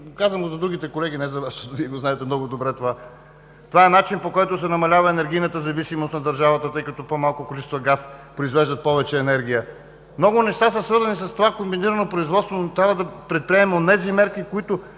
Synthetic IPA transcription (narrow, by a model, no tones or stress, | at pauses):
kazvəmɡozɐd̪ɾuɡ̟it̪ɛkolɛɡʲinɛzɐvaʃt̪ot̪ʊviɛɡoznaɛt̪ɛmnɔɡod̪obɾɛt̪ova | t̪ovaɛnat͡ʃinpokɔjt̪ʊsɛnɐmɐlʲavɐɛnɛɾɡʲijnət̪əzɐvisimost̪nɐd̪ɐɾʒavɐt̪ət̪ɤjkɐt̪ɔpomalˠkʊkolit͡ʃsst̪vɐɡaspɾoizvɛʒd̪ət̪̚pɔvɛt͡ʃɛːnɛɾɡʲijə | mnɔɡʊnɛʃt̪asəsvɤɾzɐnisɐst̪ovakombiniɾənopɾoizvɔt̪st̪vonot̪ɾʲabvəd̪ɐpɾɛt̪̚pɾiɛmɛonɛzimɛɾkikoit̪ʊ